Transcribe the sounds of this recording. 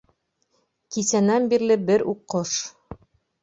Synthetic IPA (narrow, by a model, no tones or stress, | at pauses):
kisænænbiɾlɘbɘɾuqːoʃ